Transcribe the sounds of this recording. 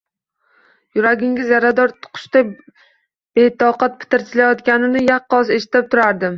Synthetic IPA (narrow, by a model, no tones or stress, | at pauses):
jʊɾaɡʲɪŋʲɪzjaɾad̪ɒɾt̪ʊ̥qʰʊ̥ʃt̪a | b̥et̪ʰɒqat̪̚pʰɪ̥t̪ɪɾt̪ʰɪlajɒt̪kʲanɪnɪjɑqːɒzeʃɪ̥t̪ɪp̚t̪ʰʊɾaɾd̪ɪm